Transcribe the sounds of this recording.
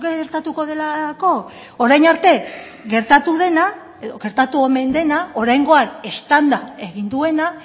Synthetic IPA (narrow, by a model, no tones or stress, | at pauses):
keɣeɾt̪at̪uko̞ðe̞lako̞ | oɾajnaɾt̪e̞ | ɣe̞ɾt̪at̪uðe̞na | eðoɣe̞ɾt̪at̪uome̞nd̪e̞nao̞ɾajŋɡo̞ane̞st̪and̪ae̞ɣind̪ue̞na